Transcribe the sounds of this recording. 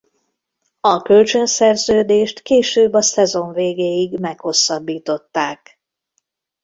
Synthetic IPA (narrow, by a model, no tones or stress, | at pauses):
ɒkølt͡ʃønsɛrzøːd̪eːʃt̪keːʃøːbːɒsɛzo̞ɱveːɡeːjiɡmɛkho̞sːɒbːiːt̪o̞t̪ːaːk